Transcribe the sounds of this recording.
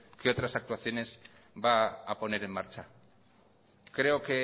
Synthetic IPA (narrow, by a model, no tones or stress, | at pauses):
keot̪ɾasak̚t̪uaθjo̞ne̞z | baːpo̞neɾemːaɾt͡ʃa | kɾe̞oke